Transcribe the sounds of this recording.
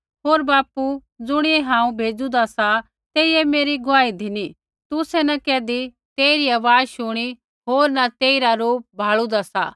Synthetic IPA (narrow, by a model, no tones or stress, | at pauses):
ɦoːɾbaːpu | d͡zʊɽ̃ɪeɦãːũbʱeːd͡zud̪asa | t̪eːiɛmeːɾiɡʊaːid̪ʱɪni | t̪ʊsɛnɐkɛːd̪i | t̪eːiɾiaːʋaːʃʊɽ̃i | ɦoːɾnɐt̪eːiɾaɾoːp̚bʱaːɭud̪asa̰